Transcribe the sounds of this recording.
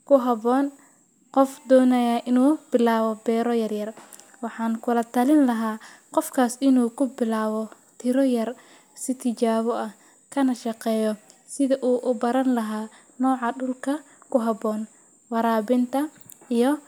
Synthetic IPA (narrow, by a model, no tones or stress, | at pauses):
kʰʊɦɐβɔːn | qɔfd̪ɔːnɐjaʔɪnuːb̥ɪlaːβɔbɛːɾɔjɐrjɐr | wɑħɑːŋkʰʊlɐt̪ʰɐlɪnlɐɦaːqɔfkʰaːsɪnuːkʰʊbɪlaːβɔ | t̪ʰɪɾɔjɐr | sɪt̪ʰɪt͡ʃaːβɔʔɐh | kʰɐnɐʃɑqɛːjɔsɪðɐʔuːʔʊbɐɾɐnlɐɦaː | nɔːʕɑɖʊlkʰɐ | kʰʊɦɐbɔːn | wɑɾaːβɪnt̪ʰɐ | ijɔ